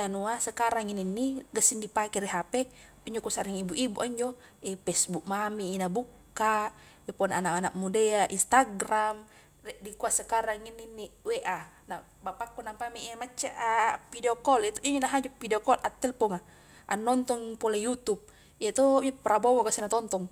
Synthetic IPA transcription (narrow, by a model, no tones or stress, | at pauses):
anuasəkaɾaŋininːiɡasindipakɛɾɛɦapɛ | iɲd͡ʒɔkɔsaɾiŋibuʔibuʔaɲd͡ʒɔ | ɛpɛsbuk̚mamiːnabukː | a | wɛpɔnanaʔanak̚mudɛaʔinst̪aɡram | rɛdikuasəkaɾaŋinːinːiweʔa | na | bapakːɔnampamiiamat͡ʃːa̰ʔapideɔkɔlɛt̪uʔiɲnaɦad͡ʒɔpideɔkɔlʔat̪ːɛlpɔŋa | ʔanːɔnt̪ɔŋpɔlajut̪up̚ | iat̪ɔpɾabɔwɔɡasinat̪ɔnt̪ɔŋ